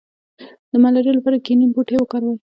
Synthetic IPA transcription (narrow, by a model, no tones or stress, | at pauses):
d̪əmalaɾijlapɑɾakinimpuʈewəkaɾwaj